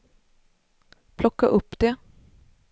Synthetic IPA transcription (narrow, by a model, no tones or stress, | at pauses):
pʰlɔkːəʔʊpːd̪̥eː